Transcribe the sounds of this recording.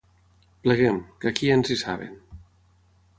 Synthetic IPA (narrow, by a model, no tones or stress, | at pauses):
pləɣemkakienzisa̰βḛn